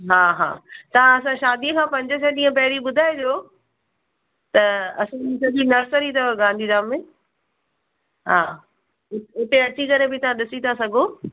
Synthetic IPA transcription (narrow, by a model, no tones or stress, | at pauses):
ɦaːɦa̰ːt̪ɐʋ̤ãɐs̬ãʃaːd̪iəkʰãːpɐ̃ɲd͡ʑəsɛ̃ɗĩːə̃pɐɦɪɽiɓʊd̪ʱaːed̪joː | t̪ɐɐsãsɐd̪inɐɾsəɾit̪ʰɐɡãːn̆d̪ʱizaːmẽ | ɦaː | ʊt̪eɐt͡ɕikɐɾebɪt̪ɐʋ̤ãɗɪsit̪ʰasɐɡʱoː